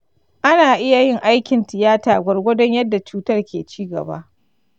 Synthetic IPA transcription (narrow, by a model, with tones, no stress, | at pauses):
ʔa˦naː˨ʔɪ˦ja˨jɪ˦˨ŋʔa˦jkʲɪ˨ntɪ˨jaː˦taː˨ɡʷɐ˨rɡʷɐ˦dɔ˦ɲjɐ˦dːa˨t͡ʃuː˦tɐ˦rkʲʰḛː˨t͡ʃiː˦ɡɐ̰˨ba̰ː˦ʔ